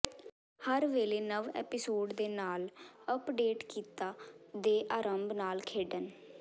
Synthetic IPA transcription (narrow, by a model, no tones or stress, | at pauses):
həɾʋeːleːnəʋɛ̰ːpɪsoːɖd̪eːnaːləpɖeːʈkiːt̪aːd̪eːʔaːɾəmbnaːlkʰeːɖən